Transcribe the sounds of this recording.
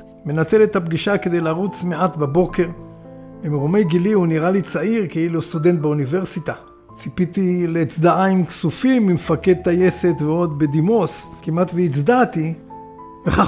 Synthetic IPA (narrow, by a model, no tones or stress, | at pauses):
me̞nat͡se̞let̪habɡiʃake̞d̪ejlaʁut͡smeat̪babo̞ke̞ʁ | bemeʁomejɡiliuniʁalit͡saiʁkiilost̪ud̪e̞nt̪̚beuniveʁsit̪a | t͡sipit̪ileːt͡sd̪aʔaimksufimːimfake̞d̪̚t̪aje̞se̞t̪veo̞d̪bed̪imo̞skimʔat̪veit͡sd̪at̪i | beχa